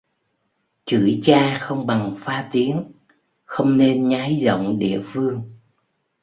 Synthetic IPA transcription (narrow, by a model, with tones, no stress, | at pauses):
t͡ɕɨ̰˧˩jt͡ɕaː˧xə˧wŋ͡mɓa˨˩ŋfaː˧t̪i˨˦ən | xə˧wŋ͡mne˧nɲaː˨˦jzo̰˧˨wŋ͡mɗḭ˧˨əfɨ˧əŋ